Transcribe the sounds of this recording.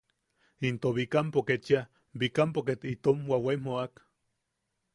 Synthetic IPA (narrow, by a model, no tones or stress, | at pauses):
int̪oβikampoket͡ʃa | bikampoket̪it̪omwaweimoak